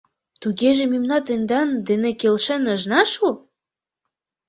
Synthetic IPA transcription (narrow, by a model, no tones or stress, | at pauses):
t̪uɣeʒĕmimnɑt̪ĕnd̪ɑnd̪enekelʃĕnə̆ʒnɑʃu